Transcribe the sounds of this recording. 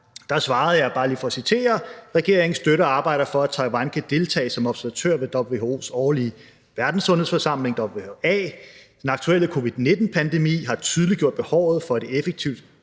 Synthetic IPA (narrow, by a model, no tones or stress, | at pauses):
d̥ɑ̈sʋɑ̈ːð̞̩ˠjɑ̈ɪb̥ɑ̈ːliːfɒ̽ɒsit͡sʰe̝̰ːɐʁɛɡ̥e̝ɐeŋn̩sd̥øɾɐɑ̈ːb̥ɑ̈ɪ̰ɾ̥ɐfɒ̽æ̥t͡sʰɑ̈ɪʋɑnkʰæd̥e̝lt͡sʰɛ̰ːɪsɒ̽mɒ̽b̥sæɐʋæt͡sʰø̰ɐ̰ʋe̝d̥ɒb̥lʋe̝ːhoo̝̰ːsɒːli | ʋæɐd̥n̩sɔ̽nheð̩̰ˠfɒsɑ̈m̰le̝ŋd̥ɒ̽b̥lʋe̝hoɛ̰ːd̥enɑ̈ɡ̥t͡sʰueləkʰo̝ʋið̥ˠne̝d̥n̩pʰænd̥e̝mḭːɦɑ̈t͡sʰyð̞ˠliɡ̥jo̝ɐ̰d̥̚b̥e̝hɒʊ̰ð̞̩ˠfɒ̥̽e̝efeɡ̥̚t͡sʰiʊ̰d̥